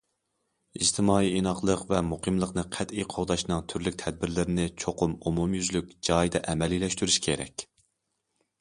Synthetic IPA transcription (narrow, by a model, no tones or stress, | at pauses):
id͡ʒt̪ʰɪmɑːiinɑχlˠəqvɛmuqʰɨmlˠəqnɨqʰɛt̪iqʰoʁd̪ɑʃnɨŋt̪ʰyɾlykʲt̪ʰɛd̪̚bɪɾlɪɾɪnɪt͡ʃʰoqʰʊmumumjyzlyk̚ʲd͡ʒɑːjid̪ɛʔɛmɛlilɛʃt̪yɾyʃkʲʰeɾɛ̰kʲ